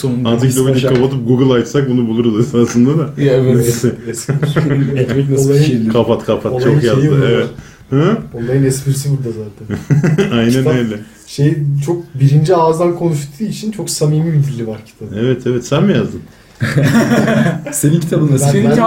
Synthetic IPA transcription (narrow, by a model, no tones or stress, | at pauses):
sonuant̪akd̪abid̪ʲikʰapat̪ʰɯp̚ɡuɡɯlˠajt̪sak̚bunubulˠuɾuzasaslɯnd̪ad̪ajevɛsɛsiɛt̪mɛnaolˠajɯkʰapat̪kʰapʰat̪ot͡ʃʰokjazj̪ɯevɛɾt̪ | haonlːˠaɾɯnɛsbiɾsivilʲd̪azaːt̪ʰænajnænejlʲɛ | ʃejt͡ʃʰo̞k̚biɾind͡ʒiaːzd̪ankʰo̞nuʃt̪ʰuːit͡ʃʰint͡ʃʰo̞ksamiːmibid̪illʲːivaɾcʰi̥t̪ʰabevɛt̪ʰevɛt̪sænmijazd̪ɯm | senincʰit̪ʰabɯnd̪as